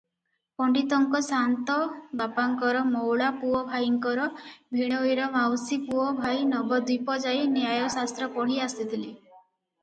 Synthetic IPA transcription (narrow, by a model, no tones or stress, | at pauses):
pɔɳɖit̪ɔŋkɔsant̪ɔbapaŋkɔɾɔmɔwɭapuɔbʱajiŋkɔɾɔbʱiɽ̃ɔjɾɔmawsipuɔbʱajnɔbɔd̪ipɔd͡ʒajniajɔsast̪ɾɔpɔɽ̤iast̪it̪ʰili